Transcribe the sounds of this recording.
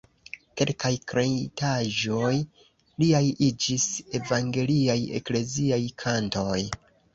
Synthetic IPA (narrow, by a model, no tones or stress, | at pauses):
ke̞lkajkɾejtaʒoj | liajid͡ʒise̞vaŋɡe̞liaje̞̰kle̞ziajkʰanto̞j